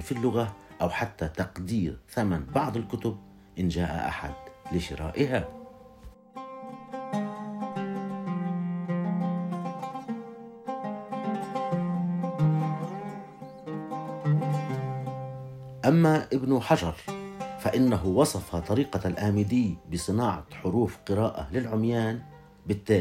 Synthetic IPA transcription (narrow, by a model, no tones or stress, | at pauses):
nfilːʊɣaʔawħat̪ːat̪ɑqd̪iːɾθamanbɑʕd̪ˤɪlkʊt̪ʊb̚ | ʔɪnd͡ʒaːʔa̰ʔa̰ħa̰d̪lɪʃɪ̰ɾa̰ːʔɪɦa | ʔamːaʔɪbnʊħaʒɑɾˤfaʔɪnːaɦʊwɑsˤɑfɑt̪ˤɑɾiːqɑlʔaːmɪd̪ɪjːbɪsˤɨnɑːʕɑ̰ħʊɾuːfqɨɾaːʔa̰lɪlʕʊmjaːn | bɪt̪ːaː